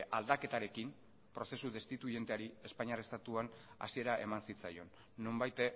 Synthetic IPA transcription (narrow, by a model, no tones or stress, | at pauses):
ʔald̪ake̞t̪aɾe̞kim | pɾo̞se̞suðe̞st̪it̪uje̞nt̪eaɾie̞spaɲiarest̪at̪uana̰sie̞ɾaʔe̞mansit͡sajo̞nː | ombajt̪e